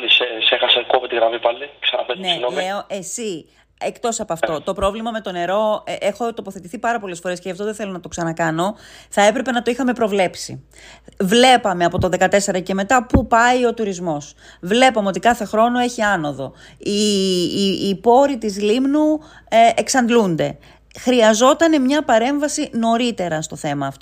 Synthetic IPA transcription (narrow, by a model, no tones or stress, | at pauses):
isesexɐsekopet̪iɣɾɐmipɐliksɐnɐpennesinoleoʔe̞si | ekt̪o̞sɐpoɐft̪o̞t̪o̞pɾo̞vlimɐme̞t̪o̞ne̞ɾo̞exo̞t̪o̞poθe̞t̪iθipɐɾɐpo̞le̞sfo̞ɾe̞sceɐft̪o̞ðeθe̞lonɐt̪o̞ksɐnɐkɐno̞θɐe̞pɾe̞pe̞nɐt̪o̞ixɐme̞pɾo̞vle̞psḭ | vle̞pɐme̞ɐpo̞t̪ɐðe̞kɐt̪e̞se̞ɾɐce̞me̞t̪ɐpupɐio̞t̪uɾizmo̞svle̞pomeo̞t̪ikɐθe̞xɾo̞no̞e̞çiɐno̞ðo̞ | i | po̞ɾit̪izlimnu | eksɐnd̪lund̪e̞̰ | xɾiɐzo̞t̪ɐne̞mɲɐpɐɾe̞ɱvɐsino̞ɾit̪e̞ɾɐst̪oθe̞mɐːft̪